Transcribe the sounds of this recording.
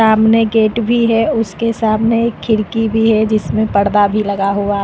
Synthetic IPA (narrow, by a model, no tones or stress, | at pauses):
aːmneɡeːʈbʱiɦɛʊskesaːmneːkʰːɪɽkibʱiɦɛd͡ʒɪsmẽpɐɽd̪abʱilɐɡaɦuaː